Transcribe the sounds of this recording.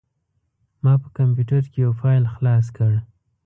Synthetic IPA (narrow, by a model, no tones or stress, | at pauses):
mɑpə̥kampjuʈaɾkejawfɑjlxlɑs̬kəɽ